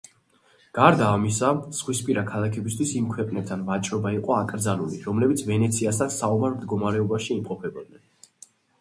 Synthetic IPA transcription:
ɡ̥aɾd̪aːmisasʁwispʼiɾakʰalˠakʰɛbist̪ʰwisimkʰwɛqʼnɛp̚t̪ʰanvat͡ʃʼɾɔbaiqʼɔakʼɾd̪zalˠulḭɾɔmlɛbit̪sʰvɛnɛt̪sʰiasansaumaɾmd̪ɡɔmaɾɛɔbaʃiːmqʼɔpʰɛbɔd̪̚nɛn

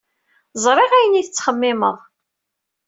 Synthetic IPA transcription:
zˤɾˤeʁæjəniθət͡sːχəmːɪməðˤ

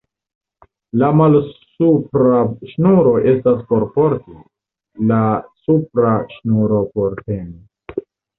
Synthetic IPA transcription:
lamalsupɾaʃnuɾo̞ʔe̞staspo̞ɾpo̞ɾti | lasupɾaʃnuɾo̞po̞ɾte̞mi

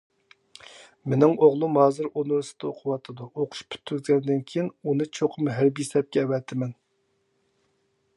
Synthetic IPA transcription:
mɪnɪŋoʁlˠumhɑːzɨɾonuɾɨsɨ̥d̪̥ɑoqʰʊwɑt̪ʰɨd̪uoqʰʊ̥ʃpʰy̥t̪ʰːyzɡʲɛnɪd̪ɪnkʲʰijinunɨt͡ʃʰoqʰʊmɦæɾbijsɛp̚kʲɛɛwɛt̪ʰɪmɛn

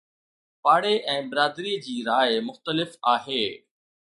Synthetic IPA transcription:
paːɽeʔɛ̃ːbɪɾaːd̪ɾiːd͡ʑiːɾaːɪmʊxt̪əlɪfaːɦeː

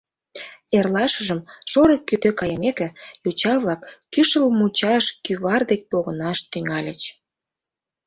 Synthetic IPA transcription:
erlɑʃəʒəmʃoɾəkyt̪økɑjəmekĕjut͡ɕɑβlɑkːyʃəlmut͡ɕɑʃkyβɑrd̪ek̚poɣənɑʃt̪yŋɑlʲət͡ɕ

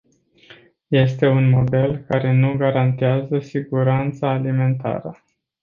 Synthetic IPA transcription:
je̞st̪e̞unmo̞d̪e̞lkaɾe̞nuɡaɾant̪eazəsiɡuɾant̪saːlime̞nt̪a̰ɾə

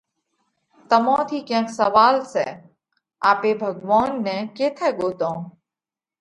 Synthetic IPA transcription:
t̪əmõːt̪ʰiːkɛ̃ːksəʋaːlsɛ̰ː | aːpeːbʱəɡʋaːnːɛ̃ːkeːt̪ʰɛːɠoːt̪õː

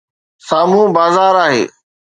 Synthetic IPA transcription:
saːmũːbaːzaːɾaːɦḛː

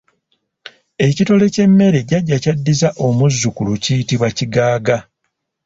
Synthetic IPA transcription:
e̞cito̞le̞ce̞mːe̞ɾe̞ɟaɟːacadːizaʔo̞muzːukulucijitiβwaciɡaːɡa

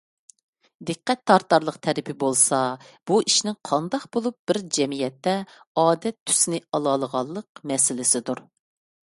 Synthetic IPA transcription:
d̪ɨqːɛt̪ʰːɑɾt̪ːɑɾlˠəqt̪ʰɛɾɪpʰɪbolˠsɑb̥uiʃnɪŋqʰɑnd̪ɑqbolˠup̚b̥ɪɾd͡ʒɛmijɛt̪ːɛ | ɑːd̪ɛt̪ʰːy̥snɪɑlˠɑlˠəʁɑlˠːəqmɛsɪlɪsɪd̪uɾ

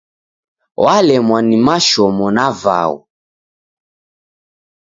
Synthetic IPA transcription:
walɛmwanimaʃɔmɔnava̰ɔ̰

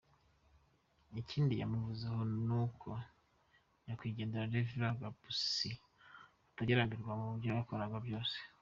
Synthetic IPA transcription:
icʰiːndija̰muvuzehonukʰo | jakwiːɟeːndeɾaɾeviɾaɡabusi | ataɟeɾambiɾɡwamuuɾjajakoɾaɡwabjo̞ːse̥

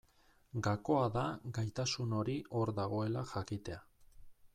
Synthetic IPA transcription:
ɡako̞aðaɡajt̪asuno̞ɾiʔo̞ɾðaɣ̞o̞e̞laxakit̪e̞a

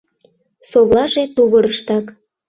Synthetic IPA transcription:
soɣlɑʒet̪uɣɤɾəʃt̪ɑk

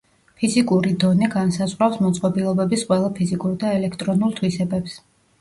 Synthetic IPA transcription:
pʰizikʼuɾid̪ɔniɡansazʁɾawsmɔt̪sʼqʼɔbilˠɔbɛbisqʼwɛlˠapʰizikʼuɾd̪aɛlɛkʰt̪ʼɾɔnulˠt̪ʰwisɛbɛps

